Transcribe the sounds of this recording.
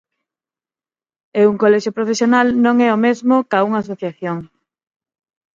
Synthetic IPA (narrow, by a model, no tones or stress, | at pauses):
euŋkolɛʃjopɾofesjonalnõŋɛomezmokauŋaːsoθjaθjoŋ